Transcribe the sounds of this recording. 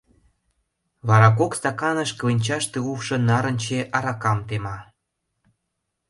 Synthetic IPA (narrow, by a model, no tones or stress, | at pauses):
βɑɾɑkokst̪ɑkɑnə̆ʃklenʲt͡ɕɑʃt̪euwʃɤ̆nɑɾə̆nʲt͡ɕeʔɑɾɑkɑmt̪emɑ